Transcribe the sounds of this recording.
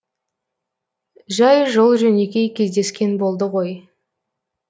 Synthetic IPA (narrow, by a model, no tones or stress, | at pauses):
ʒɑjʒolˠʒɵne̞kʲe̞jkʲʰezd̪e̞skʲe̞nbo̞lˠd̪əʁo̞j